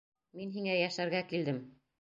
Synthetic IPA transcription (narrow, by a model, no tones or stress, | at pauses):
minɦiŋæjæʃæɾɡækild̪ɘm